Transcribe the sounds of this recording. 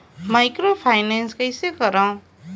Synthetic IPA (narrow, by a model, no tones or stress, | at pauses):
majkropʰajnenskʌjsekʌɾʌ̃w̃